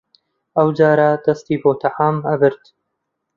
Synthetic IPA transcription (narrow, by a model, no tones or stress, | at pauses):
ʔɐwd͡ʒaːɾɐd̪̥ɐst̪iːboːt̪ʰaʕaːmɐbɨɾt̪